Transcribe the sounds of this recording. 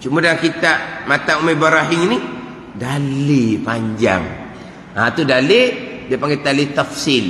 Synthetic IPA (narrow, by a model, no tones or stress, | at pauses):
t͡ʃumadaŋkit̪amat̪aumebaɾaɦiŋini | dalipaɲd͡ʒa̰ŋ | at̪udalidiapaŋɡet̪alit̪afsil